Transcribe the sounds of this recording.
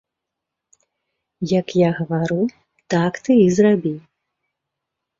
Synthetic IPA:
jɐkjaɣɐvaɾɨ | t̪akt̪ɨizrabʲiw

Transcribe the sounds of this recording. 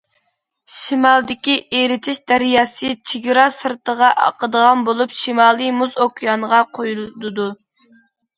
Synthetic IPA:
ʃimɑlˠd̪ɪkʲiʔeɾɪt̪ʰɪʃd̪æɾjɑːsɨt͡ʃʰiɡʲiɾɑsɨɾt̪əʁɑʔɑ̰qəd̪əʁɑnbolˠupʃimɑːlˠɨmuzokʲʰjɑnəʁɑqʰojuld̪ɨd̪u

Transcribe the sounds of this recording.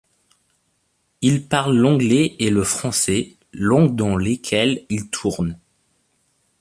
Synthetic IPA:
ilpaʁlːɑ̃ɡlɛeləfχɑ̃sɛ | lɔ̃d̪ɑ̃lekʲʰɛlilt̪ʰuʁn

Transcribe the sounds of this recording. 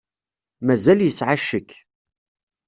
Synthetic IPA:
mæzæljəsʕaʃːəkː

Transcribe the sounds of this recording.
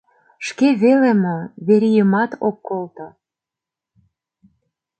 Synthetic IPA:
ʃkeβelemoβeɾijəmɑt̪okːolt̪o

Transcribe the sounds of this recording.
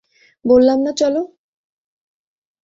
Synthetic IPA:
bolːamnat͡ɕɔlo

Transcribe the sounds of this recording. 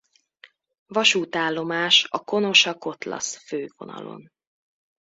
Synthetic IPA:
vɒʃuːt̪aːlːo̞maːʃɒko̞no̞ʃɒko̞t̪lɒ̰sføːvo̞nɒ̰lo̞̰n

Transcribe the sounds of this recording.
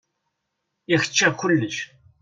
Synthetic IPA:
ixə̥t͡ʃːækʊlːəʃ

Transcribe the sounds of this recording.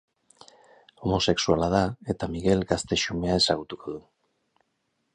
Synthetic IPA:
o̞mo̞se̞ksualað̞ae̞t̪amiɣe̞lɡast̪e̞ʃume̞ae̞saɣ̞ut̪uko̞ð̞u

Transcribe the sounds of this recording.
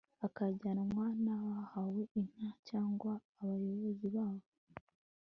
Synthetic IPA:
akaɾɟanamŋaːnawahaweʔin̥acaːŋɡwaːβajo̞βoziβaːβo

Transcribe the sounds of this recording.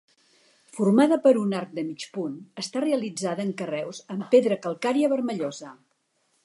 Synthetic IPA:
furmaðəpəɾunaɾk̚d̪əmit͡ʃpunəst̪areəlid͡zaðəːŋkərɛwzəmpeðɾəkəlˠkaɾiəβəɾməʎɔzə

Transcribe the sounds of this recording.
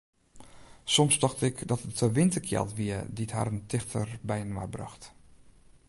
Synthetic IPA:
sɔmsdɑxtɪkdɔtətəʋɪntəkʰjɛ̰lˠtʋiədithɦa̰ːɾəntɪxtʰə̰ɹbɛjənʋa̰brɑ̰xt

